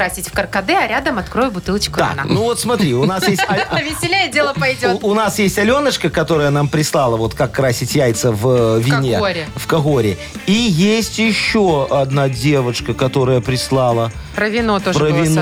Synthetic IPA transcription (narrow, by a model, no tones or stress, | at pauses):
asʲɪtʲfkərkɐd̪ɛɐɾʲad̪əmɐt̪kɾojʊbʊt̪ɨlˠət͡ɕkʊt̪a̰kna̰nnuvo̞t̪smɐt̪ɾʲiʊnasjestʲɐvʲɪsʲɪlʲejədʲelˠəpɐjdʲoʊnasjesʲtʲɐlʲo̞nət͡ʃkəkɐt̪o̞ɾəjənampɾʲɪslˠɑlˠəvo̞t̪kakːɾasʲɪtʲjæjt̪səvvʲɪnʲeɾʲɪfkɐɣo̞ɾʲɪ | ijesʲtʲjɪɕːo̞ɐd̪nadʲevəʂkəkɐt̪o̞ɾəjəpɾʲɪslˠɑlˠə | pɾəvʲɪnot̪oʐpɾəvʲɪn